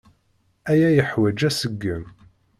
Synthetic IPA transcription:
æjæjəħwæd͡ʒæsəɡːəm

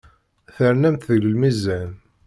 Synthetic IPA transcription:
θəɾnæmθðəəlmizːæn

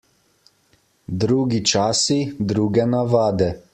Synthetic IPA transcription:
d̪ɾuːɡit͡ʃaːsid̪ɾuːɡɛnaʋaːd̪ɛ

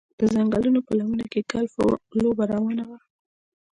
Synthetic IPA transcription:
d̪̥əzaŋɡəlunopəlamunakekalfo̰lobaɾawɑnawa

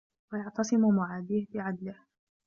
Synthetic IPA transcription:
wajɑʕt̪ɑsˤɪmʊmʊʕaːd̪iːhbɪʕad̪lɪh

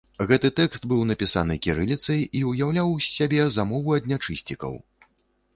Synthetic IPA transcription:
ɣɛt̪ɨt̪ɛkst̪bɨwnɐpʲisanɨkʲiɾɨlʲit̪sɐjiujawlʲawsʲabʲɛzamɔvuɐd̪ʲnʲat͡ʂɨsʲt͡sʲikɐ̰w

